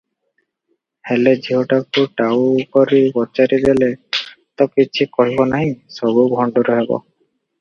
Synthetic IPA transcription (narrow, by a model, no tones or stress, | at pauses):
heled͡ʒiɦoʈakuʈawkɔɾibɔt͡ʃaɾid̪ele | t̪ɔkit͡ʃʰikɔɦibɔnaɦinsɔbubʱɔɳɖɔɾɔɦebɔ̰